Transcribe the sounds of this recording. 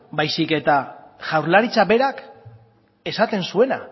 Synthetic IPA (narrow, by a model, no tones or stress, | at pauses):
bajsike̞t̪aʝawɾlaɾit͡saβe̞ɾak | e̞sat̪e̞nsue̞na̰